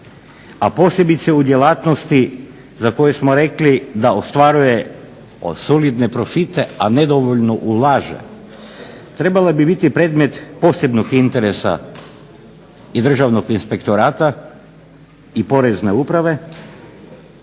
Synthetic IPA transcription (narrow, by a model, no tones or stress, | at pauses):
apo̞se̞bit̪seud̪jelaːt̪nost̪i | zako̞jesmoɾe̞klid̪aost̪ʋaɾuje | solid̪nepɾofit̪eaned̪oʋoʎnoʔulˠaːʒḛ | t̪ɾe̞balabibit̪ipɾeːd̪me̞t̪po̞se̞bnoɡint̪eɾesa̰ | id̪r̩ʒaʋnoɡinspe̞kt̪oɾaːt̪a | ipo̞ɾezne̞upɾaʋe̞